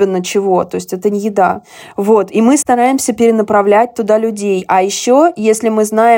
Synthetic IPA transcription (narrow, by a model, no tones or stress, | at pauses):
ɪnːət͡ɕɪvot̪o̞ɪsʲtʲɛt̪ənʲjɪd̪a̰ | vo̞t̪imɨst̪ɐɾajɪmsʲəpʲɪɾʲɪnəpɾɐvlʲæt̚ʲt̪ʊd̪alʲʉdʲejɐjɪɕːo̞jesʲlʲɪmɨznaɪ